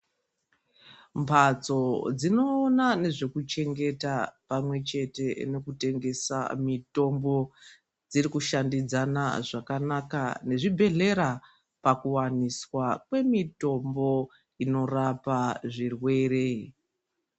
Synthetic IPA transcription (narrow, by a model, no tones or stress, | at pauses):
mpʰat͡so̞d͡zino̞ːnane̞ʐekut͡ʃe̞ŋɡe̞tapamwe̞t͡ʃe̞te̞ne̞kute̞ŋɡe̞sa̰mito̞mbo̞ | d͡zirikuʃandid͡zana̰ʐakanakane̞ʐibʱe̞ɮe̞ɾa | pakuwaniswakwe̞mito̞mbo̞ | ino̞rapaʐirwe̞re̞